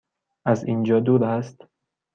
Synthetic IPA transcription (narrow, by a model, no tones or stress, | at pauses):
ʔæziːnd͡ʒɒːd̪uːɾæst̪